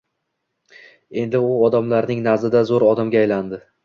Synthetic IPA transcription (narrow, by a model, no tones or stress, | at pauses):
e̞nd̪ɪʊɒd̪amlaɾnɪŋnazɪd̪azoɾɒd̪amɡʲaːjland̪ɪ